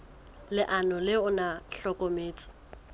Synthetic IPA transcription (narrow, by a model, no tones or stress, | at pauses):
lɪʔanʊlɪʊnaɬɔkʼɔmeːt͡sʼɪ̥